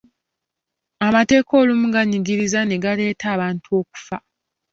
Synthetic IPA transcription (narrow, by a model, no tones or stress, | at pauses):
amate̞ːko̞ːlumuɡaɲiɡiɾizane̞ɡale̞ːtʰaːβaːntuo̞ːku̥fa